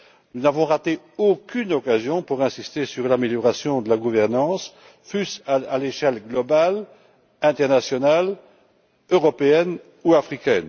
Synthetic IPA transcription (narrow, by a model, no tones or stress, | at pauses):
nunavɔ̃ʁat̪e | okʲynɔkazjɔ̃puʁɛ̃sist̪esyʁlameljɔʁasjɔ̃d̪əlaɡuvɛʁnɑ̃s | fysaaleʃɛlɡlɔbal | ɛ̃t̪ɛʁnasjɔnal | øʁɔpeɛn | uafχikʲɛn